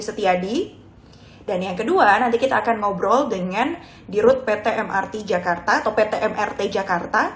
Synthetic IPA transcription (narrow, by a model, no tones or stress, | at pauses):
sət̪iadi | danjaŋkəduanant̪ikit̪aːkanŋɔbɾɔldəŋan | diɾʊt̪̚pet̪eʔɛmʔa̰rt̪id͡ʒakart̪aːt̪ɔpet̪eʔɛmʔɛrt̪ed͡ʒakart̪a